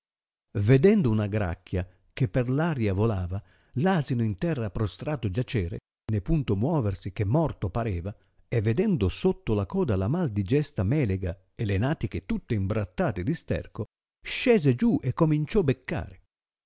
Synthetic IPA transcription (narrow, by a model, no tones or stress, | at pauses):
ved̪ɛnd̪ʊunaɡɾa̰kːja | kepːerlaːɾjavolaːva | laːzinoint̪ɛrːapɾost̪ɾaːt̪od͡ʒat͡ʃɛːɾḛ | nepunt̪omwɔːversik̟emːɔrt̪opaɾɛːva | evːed̪ɛnd̪osot̪ːolakɔːd̪alamald̪id͡ʒɛst̪amɛːleɡa | elenaːt̪ik̟et̪ut̪ːeimbɾat̪ːaːt̪ed̪ist̪ɛ̰rko | ʃɛːzed͡ʒuʔɛkːomint͡ʃɔbekːa̰ːɾe